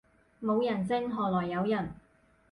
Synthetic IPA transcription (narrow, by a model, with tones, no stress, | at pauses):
mo˨˧wjɐ˨˩nt͡sɪ˥ŋɦɔː˨˩lɔː˨˩jːɐ˨˧wjɐ˨˩n